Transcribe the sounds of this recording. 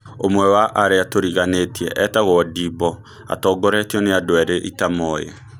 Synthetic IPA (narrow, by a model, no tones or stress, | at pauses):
omwɛwaʔaɾeatoɾiɣanetiɛʔɛtaɣwɔdibɔ | a̰tɔːɡɔɾɛtjɔneadoɛɾeʔitamɔːjɛ̰